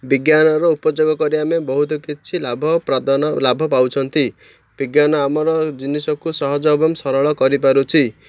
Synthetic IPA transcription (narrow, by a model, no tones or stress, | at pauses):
biɡjanɔɾɔupɔd͡ʒoɡɔkɔɾiamebɔɦut̪ɔkit͡ʃʰilabʱɔpɾad̪anlabʱɔpawt͡ʃʰʌnt̪i | b̥iɡjanɔamɔɾɔd͡ʒinisɔkusɔɦɔd͡ʒɔbɔmsɔɾɔɭɔkɔɾip̬aɾut͡ʃʰi